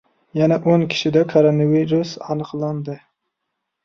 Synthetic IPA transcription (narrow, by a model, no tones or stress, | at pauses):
janaʔoŋkʲʰɪ̥ʃɪd̪akʰoɾonaviɾusɑnɨqlˠɑnd̪ɪ